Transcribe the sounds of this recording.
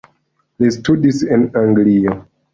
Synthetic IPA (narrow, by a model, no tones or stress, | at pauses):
listudisinaŋɡlia